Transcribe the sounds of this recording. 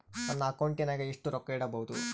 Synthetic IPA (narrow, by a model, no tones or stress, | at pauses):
nɐnːɐːkɐwɳʈinaːɡeiʂʈuɾɔkːɐiɽɐbɐɦud̪u